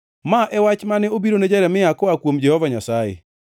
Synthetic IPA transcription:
maʔɛwat͡ʃmanɛobiɾoned͡ʒɛɾɛmɪakɔakwomd͡ʒɛhɔvaɲasaḛ

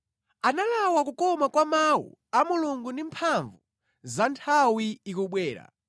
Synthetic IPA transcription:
analawakukɔmakwamawṵamuluŋɡundimpʰaɱvu | zantʰawiikuɓwɛːɾa̰

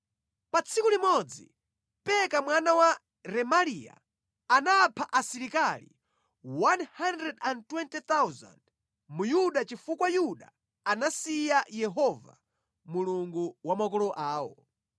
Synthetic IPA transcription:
pat͡sʰikulimɔd͡zḭ | pɛkamwanawa | ɾɛmalija̰ | anaːpʰaʔasiɾikalḭ | wanhandɾɛdantwɛntɛt̪awza̰nd | mujuɗat͡ʃifukwajuɗa | anasijajɛɦɔva̰ | muluŋɡuwamakɔlɔʔaːwɔ̰

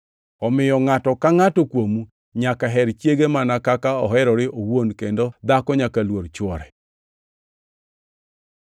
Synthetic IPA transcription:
ɔmɪjɔŋatɔkaŋatɔkwomu | ɲakaɦɛɾt͡ʃjeɡemanakakaɔɦɛɾɔɾɪʔowonkendod̪akɔɲakalwoɾt͡ʃɔɾɛ

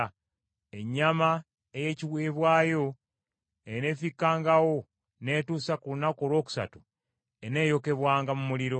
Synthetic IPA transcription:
e̞ɲːama | eje̞ciβweːβwaːjo̞ | ene̞ːfikːaːŋɡawo̞ | ne̞ːtuːsakunakoːlwo̞ːku̥sa̰tu | ene̞ːjo̞ke̞βwaːŋɡamumuliɾo̞

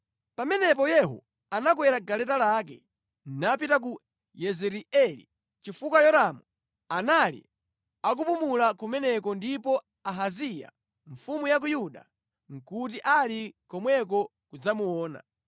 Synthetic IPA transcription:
pamɛnɛpɔjɛɦɔ̰ | anakwɛɾaɡalɛtalaːk̬ɛ | n̩napitak̬u | jɛzɛɾiɛlḭ | t͡ʃifukwajɔɾamu | analḭ | ak̬upumulakumɛnɛkɔndipɔ | aɦazija̰ | ɱ̩fumujak̬ujuɗa̰ | ŋ̩kut̬iʔalikɔmwɛk̬ɔ | kud͡zamuɔːna̰

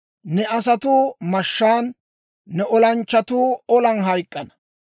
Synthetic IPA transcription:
nɛʔɐs̬ɐt̪uːmɐʃːaːnː | ɛʔɔlɐnt͡ʃːɐt̪uːɔlɐnɦɐjkʼːɐnɐ̥

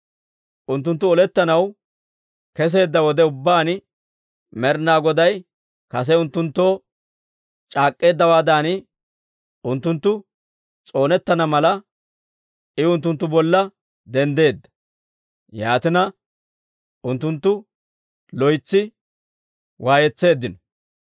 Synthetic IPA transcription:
ʔʊnt̪ːʊnt̪ːʊɔlɛt̪ːɐnɐw | kɛs̬e̞ːd̪ːɐwɔd̪ɛʊbːaːn | mɛɾnaːɡɔd̪ɐj | kɐs̬ɛʊnt̪ːʊnt̪ːo̞ː | t͡ʃʼaːkʼːe̞ːd̪ːɐwaːd̪aːnɪ | ʊnt̪ːʊnt̪ːʊ | t͡sʼo̞ːnɛt̪ːɐnɐmɐlɐ | ɪʊnt̪ːʊnt̪ːʊbɔlːɐ | d̪ɛnd̪e̞ːd̪ːɐ̥ | jaːt̪ɪnɐ | ʊnt̪ːʊnt̪ːʊ | lɔjt͡sːɪ | wʔaːjɛt͡sːe̞ːd̪ːɪnɔ

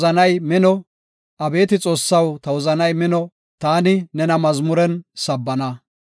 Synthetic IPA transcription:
zɐnɐjmɪnɔ | ʔɐbe̞ːt̪ɪt͡sʼo̞ːsːɐwt̪ɐwɔzɐnɐjmɪnɔ | t̪aːnɪnɛnɐmɐzmʊɾɛnsɐbːɐnɐ

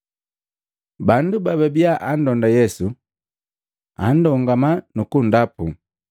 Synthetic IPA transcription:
bandubaβɛbjaʔan̩dɔndajɛsu | a̰n̩dɔŋɡamanukundapu

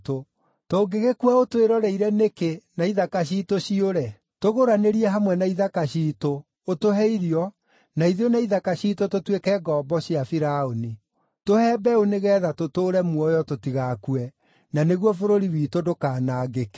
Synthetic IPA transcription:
to | toːɡeɣekwaotoeɾɔɾɛiɾɛnekenaiðakaɕ̬iːtoɕioɾɛ | toɣoɾaneɾiɛɦamwɛnaiðakaɕiːtoː | toɦɛiɾiɔ | naiðionaiðakaɕiːtototwekɛɡɔːbɔɕiafiɾaoni | tohɛːbɛoneɣɛːðatotoːɾɛmwɔjɔtotiɣakuɛ | naneɣwɔfoɾoɾiwiːtodokaːnaːɡeke̥

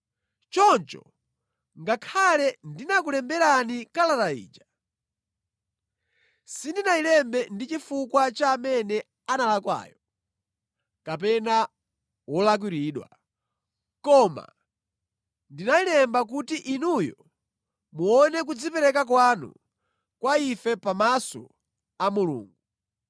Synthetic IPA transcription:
t͡ʃɔnt͡ʃɔ̰ | ŋɡakʰalɛndinak̬ulɛmbɛɾanikalalaḭːd͡ʒa | sindinailɛmbɛndit͡ʃifukwat͡ʃaːmɛnɛ | analakwa̰ːjɔ | kap̬ɛna | wɔlak̬wiɾiːɗwa̰ | kɔma̰ | ndinailɛmbak̬utiʔinujɔ | muɔnɛk̬ud͡zipɛɾɛkak̬wanṵ | kwaifɛpamasɔ̰ | amulṵːŋɡuu

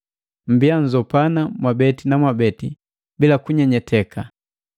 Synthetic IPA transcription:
m̩biaɲd͡ʒɔpanamwabɛtinamwabɛti | bilakuɲɛɲɛtʰɛkʰa

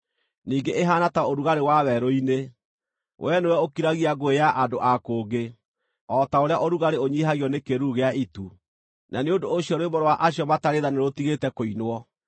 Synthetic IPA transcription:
niːŋɡeʔeɦaːnataoɾuɣaɾewawɛɾoine | wʔɛnewɛokiɾaɣiaɡoejaʔadoʔakoːɡe | ɔtaoɾeaʔoɾuɣaɾeoɲiɦaɣiɔnekeɾuɣeaitu | nʔaneondooɕjɔɾoemɔɾowaʔaɕjɔmataɾeðaneɾotiɣetɛkoinwɔ

